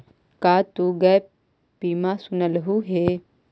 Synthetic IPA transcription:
kaːt̪uɡɐj | piːmasʊnəlɦuɦe

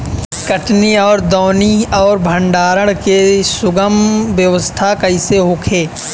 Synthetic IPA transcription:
kəʈniɔːɾd̪ɔːniɔːɾbʱə̃ɳɖaːɾəɽ̃kesʊɡəmʋjəʋəst̪ʰakɐɪseɦoːkʰeː

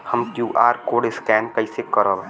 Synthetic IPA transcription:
hɐmkjuːʔaːɾkoːɽɪskɛːnkɐisekəɾəbɛ̃

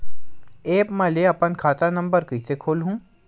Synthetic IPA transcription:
eːpmɛleɐpənkʰaːt̪anɐ̃mbəɾkʊisekʰoːlɦũː

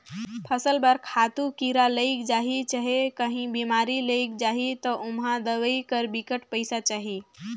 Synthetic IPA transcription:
pʰəsəlbəɾkʰat̪ukiɾaləɪkd͡ʒaɦit͡ʃəɦekəɦĩbimaɾiləɪkd͡ʒaɦit̪ɔʔʊmɦãd̪əʋəikəɾbikəʈpəɪsat͡ʃaːɦi

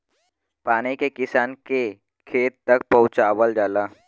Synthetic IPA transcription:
paːnikekɪsaːnke | kʰeːt̪ːɐk̚pɐʊt͡ʃaːʋəld͡ʒaːlaː

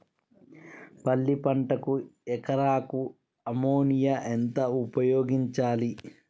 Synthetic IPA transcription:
pɐlːipɐɳʈɐkuɛkɐɾaːku | ɐmoːnijɐʔent̪ɐupɐjoːɡiɲt͡ʃaːli

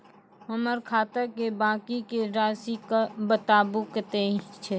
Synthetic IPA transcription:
ɦəməɾkʰaːt̪əkebãːkikeɾaːsikabət̪aːbukət̪eɦt͡ʃʰɛ

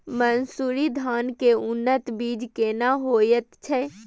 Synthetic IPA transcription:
mənsuːɾid̪ʱaːnkeʊnːət̪biːd͡ʒkeːnaɦoːjət̪t͡ʃʰɛ

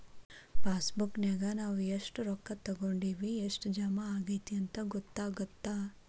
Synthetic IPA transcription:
paːsbukneɡanaːʋueʂʈɾɔkːɐt̪ɐɡoːɳɖiːʋieʂʈd͡ʒɐmaaːɡɐjt̪iɐnt̪ɐɡɔt̪ːaːɡɐt̪ːaː

